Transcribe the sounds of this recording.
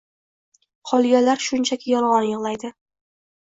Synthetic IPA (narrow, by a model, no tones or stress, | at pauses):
qʰɒlˠɡʲalaɾʃʊnt͡ʃʰakʲʰɪjɒlˠʁɒnjɨʁlˠajd̪ɪ